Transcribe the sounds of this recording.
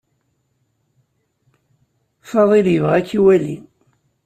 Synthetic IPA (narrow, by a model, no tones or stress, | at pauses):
fɑðˤiljəvʁækːiwæli